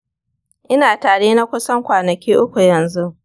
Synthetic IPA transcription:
ʔɪ˦naː˨taː˨ɽeː˦na˦kʷʊ˦sɐ˦ŋkʷaː˨nɐ˨kʲiː˦ʔʊ˦kʷu˨jɐ˨nzu˦ʔ

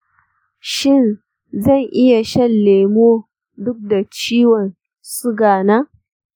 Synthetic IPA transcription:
ʃɪ˦˨n | zɐ˦˨ŋʔɪ˦ja˨ʃɐ˦˨nleː˨moː˦ | dʊ˦k̚da˨t͡ʃiː˦wɔ˨n | sʊ˦ɡaː˨naː˦

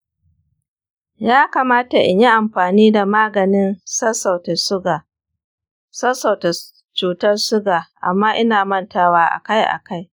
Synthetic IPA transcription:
jaː˦kaː˨maː˦ta˨ʔɪ̰˨ɲji˦ʔa˨mɸaː˨niː˦da˨maː˦ɡɐ˨nɪ˦nsɐ˦sa˨wta˨sʊ˦ɡa˨ | sɐ˦sa˨wta˨ | t͡ʃuː˨tɐ˦rsʊ˦ɡaː˨ʔa̰˨mːaː˦ʔɪ˦naː˨mɐ˦ntaː˦waː˦ʔa̰˨ka˦jʔa̰˨ka˦j

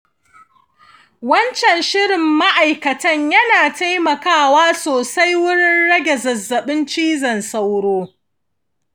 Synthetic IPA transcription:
wɐ˦nt͡ʃɛ˨nʃɪ˦ɽɪ˨mːa˦ʔa˨jkɐ˨tɐ˦ɲjɐ˦naː˨ta˦jmɐ˨kaː˦˨waː˦soː˨sa˦jwʊ˦ɽɪ˦nɽɐ˦ɡʲɛ˨zɐ˨zːɐ˨ɓɪ˦nt͡ʃiː˦zɐ˨nsa˦wɽoː˦

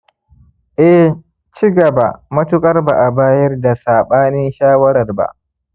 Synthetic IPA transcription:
ʔɛ˦h | t͡ʃi˦ɡɐ˨ba˨mɐ˦tʊ˦kʼɐ˦rba˨ʔa˨baː˦jɐ˦rda˨saː˨ɓaː˦nɪ˦nʃaː˦wɐ˦ɾɐ˨rba̰˨ʔ

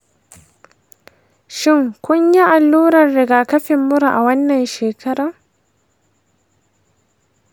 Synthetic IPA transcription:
ʃɪ˦˨ŋkʷʊ˦ɲja˦ʔa˨lːuː˦ɾɐ˨rɽɪ˨ɡaː˨kɐ˦ɸɪ˨mːʊ˦ɾu˨ʔa̰˨wɐ˦nːɐ˨nʃeː˨kʰɐ˦ɽɐ˨ŋ

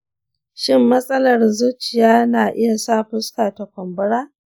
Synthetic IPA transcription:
ʃɪ˦mːɐ˦sʼɐ˦lɐ˨rzu˦t͡ʃɪ˨jaː˦naː˨ʔɪ˦ja˨saː˦ɸʊ˦skaː˨ta˨kʷɔ˨mbʊ˦ɽaː˦

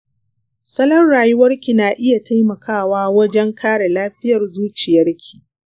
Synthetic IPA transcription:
sɐ˦lɐ˦rɽaː˨jʊ˦wɐ˦rkʲi˨naː˨ʔɪ˦ja˨tʰa˦jmɐ˨kʰaː˦˨waː˦wɐ˦d͡ʒɛ˦ŋkʰaː˦ɽe˨laː˦ɸɪ˦jɐ˨rzuː˦t͡ʃɪ˨jɐ˦rkʲʰi̥˨

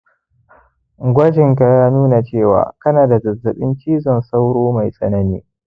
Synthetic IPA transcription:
ɡʷɐ˦d͡ʒɪ˨ŋka˨jaː˦nuː˦na˨t͡ʃeː˦˨wa̰ː˨kɐ˦naː˨da˨zɐ˨zːɐ˨ɓɪ˦nt͡ʃiː˦zɔ˨nsa˦wɽoː˦ma˨jsʼɐ̰˦nɐ˦nḭː˦

